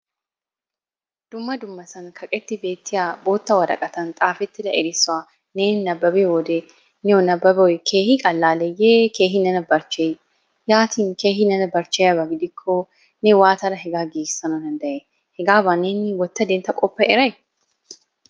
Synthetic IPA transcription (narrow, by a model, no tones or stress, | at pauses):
d̪̥ʊmːɐd̪ʊmːɐsɐnkʰɐkʼɛt̪ːɪbe̞ːt̪ːɪjabo̞ːt̪ːɐwɐɾɐ̰kʼɐt̪ɐnt̪ʼaːfɛt̪ːɪd̪ɐʔɛɾɪsʊa | neːnnɐbːɐbewɔd̪e | nɛwɔnɐbːɐbɔjkʰe̞ːhikʼɐlːaːlɛjeːke̞ːɦɪnɐnɐbɐɾt͡ʃe | jaːt̪iːnkeːɦɪnɐnɐbɐɾt͡ʃejɐbɐɡɪd̪ɪkʰːɔ | nɛwaːt̪ɐɾɐɦɛɡaːɡeːɡɪ̥sːɐnɔd̪ɐnd̪ɐʔe | hɛɡaːbɐneːnɪwɔt̪ːɐd̪eːnt̪ːɐkʼɔpːɐʔɛɾɐj